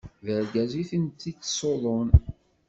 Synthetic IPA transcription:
vəɾɡæziθənt̪ːit̪ːsoðˤon

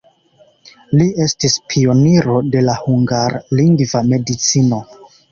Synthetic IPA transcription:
lie̞stispʰio̞niɾo̞de̞lahuŋɡaɾliŋɡvame̞dit͡sino̞

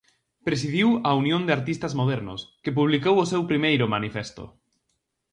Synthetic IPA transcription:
pɾes̬ið̞iwaunjõnd̪eaɾt̪ist̪azmoðɛɾnʊ̰skep̬uβ̞likowosɛwpɾimejɾʊmanifɛst̪o̰

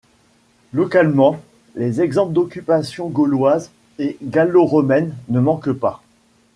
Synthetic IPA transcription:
lɔkalmɑ̃ | lezɛɡzɑ̃pld̪ɔkʲypasjɔ̃ɡɔlwaz | eɡaloʁɔmɛnːəmɑ̃kpa

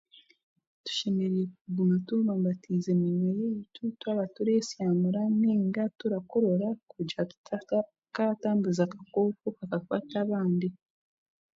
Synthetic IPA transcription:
tu̥ʃemeɾiekuɡumatuβaːmbatʰizemunwejeitutwaβatuɾesjaːmuɾaniːŋɡatuɾakoɾo̞ɾakuɟa | kataːmbuzakḁkokokakakwaːtaβaːndi

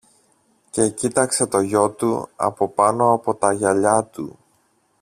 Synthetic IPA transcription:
ce̞cit̪ɐkse̞t̪o̞ʝo̞t̪ṵɐ̰po̞pɐno̞ɐpo̞t̪ɐʝɐʎɐt̪ṵ

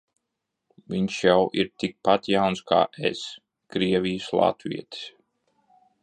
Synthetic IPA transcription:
viɲʃjawʔiɾt̪ik̚pat̪jawnskʰa̰ːʔḛs | kɾiɛvʲijslˠa̰t̪viɛt̪i̥s

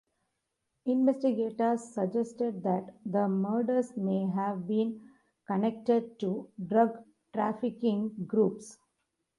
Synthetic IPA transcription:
ɪ̃nʋesʈiɡeːʈəɾsːəd͡ʒesʈeɖ̚d̪æʈd̪əməɾɖəɾsmeːɦæʋbĩːn | kənek̚ʈeɖ̚ʈuɖɾʌɡ | ʈɾæːfɪkɪ̃ŋɡɾuːps

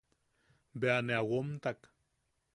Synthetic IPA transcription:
beaneawomt̪ak

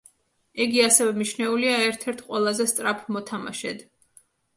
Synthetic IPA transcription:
iɡiasɛvɛmiʃnɛuliaɛɾt̪ʰɛɾt̪ʰqʼwɛlˠazɛst̪sʼɾapʰmɔt̪ʰama̰ʃɛ̰d̪

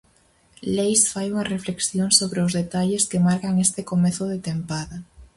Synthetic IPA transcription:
lejsfajuŋɐrefleksjoŋsoβɾeʊzðet̪aʎeskɪmaɾkaŋest̪ɪkomeθʊðet̪empaðɐ

